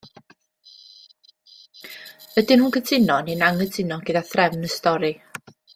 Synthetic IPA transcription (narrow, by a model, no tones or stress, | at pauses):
ədɪnhuːnkʰədʰɪnɔninaŋədʰɪnɔɡədaθrɛvnəstɔɾi